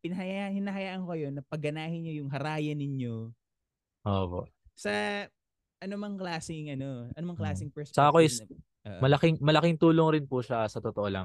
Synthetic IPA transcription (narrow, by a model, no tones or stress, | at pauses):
pɪnɐɦɐjahɪnɐɦɐjaːʔɐŋkokɐjo̞nɐpɐɡɐnaːhɪɲːojʊŋɦɐɾaːjɐnɪɲo | ʔoːpo̰ʔsɐ | ʔɐnomɐŋklaːsɪŋɐno̞ʔɐnomɐŋklaːsɪŋpɛssɐʔɐkoɪs | ʔːmɐlɐkɪŋmɐlɐkɪŋt̪uːloŋɾɪnpuʃasɐt̪ot̪oʔolɐ̰ŋ